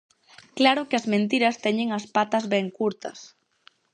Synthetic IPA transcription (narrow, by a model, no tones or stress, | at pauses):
klaɾʊkɪɐzmẽnt̪̬iɾɐst̪ɛɲeŋɐspat̪ɐzβɛŋkuɾt̪ɐ̰s